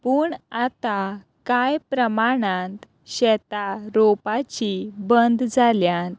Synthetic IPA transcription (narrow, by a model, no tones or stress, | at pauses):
pəːɳat̪a | kajpɾəmaɽãnt̪ | ɕɛt̪aɾopat͡ɕibənd̪d͡zaljãnt̪